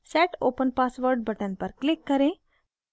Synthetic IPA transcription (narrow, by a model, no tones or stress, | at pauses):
sɛːʈoːpənpaːsʋəɾɖbəʈənpəɾklɪkːəɾẽ